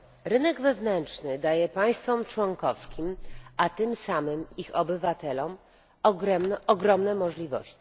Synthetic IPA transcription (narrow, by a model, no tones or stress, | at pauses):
ɾɘnɛɡvɛvnɛntt͡ʂnɘd̪ajɛpaj̃st̪fɔmt͡ʂwɔŋkɔfskʲimʔat̪ɘmsamɘmixɔbɘvat̪ɛlɔm | ɡɛɔɡɾɔmnɛmɔʐlʲivɔ̰ɕt͡ɕi̥